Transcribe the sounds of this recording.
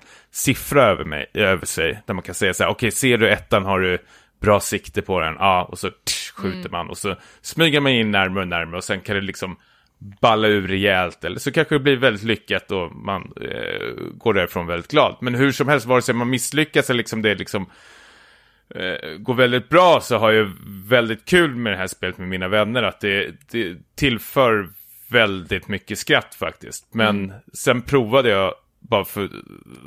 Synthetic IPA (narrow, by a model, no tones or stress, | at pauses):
sɪfɾaøːvə̰mɛ̰jøːvəʂɛjd̪̥æɾmankʰansɛjːasæːɾʔɔkʰɛjseːɖɵɛt̪ːanɦaɖɵ | bɾɑːsɪkt̪əpʰɔd̪ɛ̰nʔɑːɔ̰sɔɧʉ̟ːt̪əɾma̰nɔ̰sɔ | smyːɡəɾmanjɪnːæɾmɾɔnæɾmɾəɔsɛnkʰand̪ɛlɪksɔm | balːaʉ̟ːɾɛɛːlt̪ɛlːə̰ʂɔkʰanɧəd̪ɛblivɛld̪ɪt̪lʏkːat̪ɔma̰n | ɡoːɖæɾɪfɾoːnvɛld̪ɪt̪ɡlɑ̰ːd̪mɛnɦɵʂɔmhɛlst̪vɑːɾɛsɛmanmɪslʏkːasɛllɪksɔmd̪ɛlɪksɔm | ɡoːɾvɛld̪ɪt̪̚bɾɑːsɔɦaɾjavɛld̪ɪt̪̚kʰʉ̟ːlmɛd̪ɛɦæːʂpeːlət̪mɛmiːnavɛnːəɾat̪̚d̪ɛd̪̥ɛt̪ʰɪlfœːɾ | vɛld̪ɪt̪mʏkːəskɾat̪ːfa̰k̚t̪ɪ̰st̪mɛnsɛnpʰɾuːvad̪əjɑ | bɑːɾafœ